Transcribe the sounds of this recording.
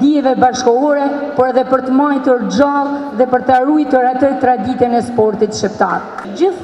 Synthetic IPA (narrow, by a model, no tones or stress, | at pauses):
d̪iɛvɛbaʃkɔɔɾɛpɔɾɛðɛpəɾt̪əmajt̪uɾd͡ʒalˠðɛpəɾt̪aɾujt̪uɾat̪ət̪ɾad̪ik̪ɛnɛspɔɾt̪it̪ʃipt̪aɾ | d͡ʑə